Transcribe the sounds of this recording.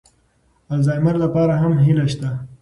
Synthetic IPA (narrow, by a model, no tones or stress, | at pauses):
alzɑːjmaɾlapɑːɾaɦamɦilaʃt̪a